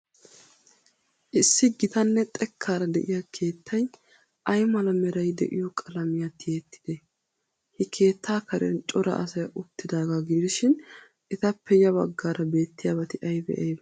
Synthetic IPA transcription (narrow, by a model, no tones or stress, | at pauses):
ʔɪsːɪɡɪt̪ɐnːɛt̪ʼɛkʰːaːɾɐd̪ɛ̰ʔɪjɐkʰe̞ːt̪ʰːɐj | ʔɐjmɐlɐmɛɾɐjd̪ɛ̰ʔɪjɔkʼɐlɐmɪjat̪ɪjeːt̪ːɪ̥d̪̥ɛ | hɪkʰe̞ːt̪ːaːkɐɾɛ̰nt͡ʃʼɔɾɐ̰ʔɐ̰sɐjʔʊt̪ːɪd̪aːɡaɡɪd̪ɪʃɪn | ʔɪt̪ɐpːɛjɐbɐɡːaːɾɐbe̞ːt̪ːɪjaːbɐt̪ɪʔɐjbɛ̰ʔɐjb